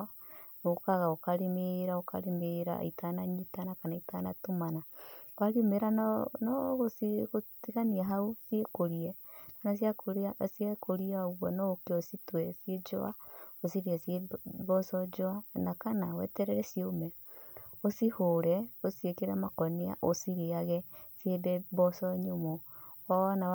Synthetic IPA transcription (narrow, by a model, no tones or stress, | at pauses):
okaɣaokaɾemeɾaoka̰ɾemeɾa̰ḭtanaɲitanakanaitanatomanawaɾiomeɾanɔɣosiɣotiɣaniaɦausiekoɾiɛ | nanas̬iakoɾsiekʰoɾiaoɣwɔnɔokeositwɛsied͡ʒo̰a̰osiɾiasjeβɔsɔd͡ʒoanakanawɛ̰tɛɾɛɾɛsiomɛ | osihoɾɛosiekeɾamakɔnea̰ʔosiɾeaɣɛsjebɛbɔsɔɲomo | wawana